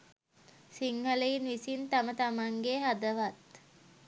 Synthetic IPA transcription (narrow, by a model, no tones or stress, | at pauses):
siŋhələinʋisint̪amət̪amaŋɡeɦad̪əʋat̪